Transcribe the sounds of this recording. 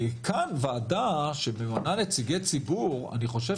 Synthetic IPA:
kʰanvaːdaʃebemananet͡siɡet͡sibuʁa̰niχo̞ʃe

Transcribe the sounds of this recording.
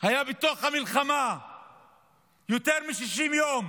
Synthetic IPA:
hajabet̪oaχhamilχama | jot̪eʁmiʃiʃimjom

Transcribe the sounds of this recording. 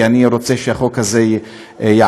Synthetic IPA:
aniɾo̞t͡seʃeaχolkaze | ja

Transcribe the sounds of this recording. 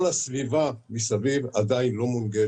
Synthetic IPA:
lasvivamisavivad̪ainlo̞munɡe

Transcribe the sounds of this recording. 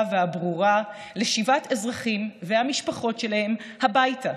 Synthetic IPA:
veabʁuʁa | leʃivatezʁaχimvehamiʃpaχo̞tʃe̞lahe̞m | habajta

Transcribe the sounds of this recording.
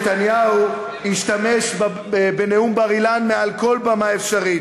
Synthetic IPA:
t̪anjahu | iʃt̪ame̞ʃb | beneumbaʁilanmealko̞lbamaefʃaʁi

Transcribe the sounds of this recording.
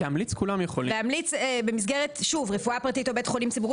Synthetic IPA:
amlit͡skulamjeχolḭleamlit͡sebe̞mis̬ɡeʁetʃuvʁefuapʁatitobetχo̞limsibuʁ

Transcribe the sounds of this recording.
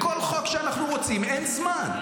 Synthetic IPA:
kolχokʃeanaχnuʁot͡simenzman

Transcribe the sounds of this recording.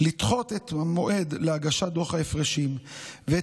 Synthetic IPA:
lit̪χo̞t̪et̪mo̞ʔe̞d̪leaɡaʃad̪o̞χhaefʁeʃimve

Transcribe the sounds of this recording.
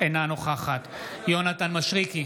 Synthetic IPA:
enanoχaχat̪jonat̪anmaʃʁiki

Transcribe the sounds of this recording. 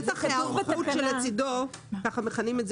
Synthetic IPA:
taχaχutʃelet͡sidokaχameχanimez

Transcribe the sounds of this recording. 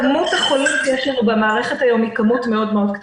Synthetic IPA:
mut̪aχolimtijeʃlenubamaːʁeχetajo̞mikamutme̞o̞dmeo̞d̪̚kt

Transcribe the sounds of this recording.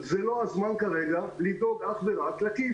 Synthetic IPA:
zelo̞azmankaʁeɡalid̪oɡaχbeʁatlaki

